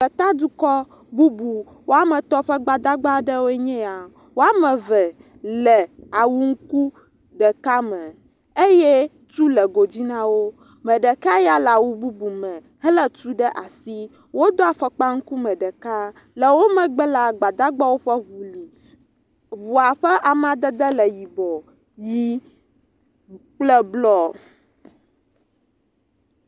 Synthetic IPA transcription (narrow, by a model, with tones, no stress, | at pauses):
ɸɛ˨t̪a˦d̪u˦kɔ˦ | bu˦bu˨ | wo˦a˦mɛ̃˨t̪ɔ˦ɸɛ˦ɡ͡ba˨d̪a˦ɡ͡ba˦ɖɛ˦wo˦ɛ˦ɲɛ̃˦a˨ | wo˦a˦mɛ̃˨vɛ˨ | lɛ˨a˨wu˦ŋ̩˦ku˦ | ɖɛ˨ka˦mɛ̃˨ | e˦jɛ˦ | t͡ʃu˦lɛ˨ɡo˨d͡ʑi˦nã˦wo˦ | mɛ̃˨ɖɛ˨ka˦ja˦la˨wu˦bu˦bu˨mɛ̃˨ | ɦə˦lə˦t͡ʃu˦ɖɛ˦ʔa˨si˦ | wo˦d̪o˦a˨ɸɛ˨k͡pa˦ŋ̩˦ku˦mɛ̃˨ɖə˨ka˦ | lə˨wo˦mɛ̃˨ɡ͡bɛ˦la˨ɡ͡ba˨d̪a˦ɡ͡ba˦wo˦ɸə˦βu˨li˨ | βu˨a˨ɸɛ˦ʔa˨mã˨d̪ə˦d̪ə˦lə˨ji˨bɔ˨ | ji˦ | k͡plɛ˦blɔ˦